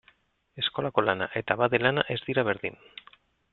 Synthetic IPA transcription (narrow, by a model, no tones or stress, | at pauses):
e̞sko̞lako̞lana̰ʔe̞t̪aβaðelanaʔe̞zdðiɾaβ̞e̞ɾðḭn